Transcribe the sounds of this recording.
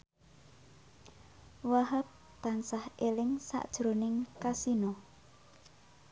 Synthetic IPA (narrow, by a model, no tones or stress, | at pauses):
waɦəp̚ | t̪ansahelɪŋsa̰ʔd̥ʒ̥ɾonɪŋkasinɔ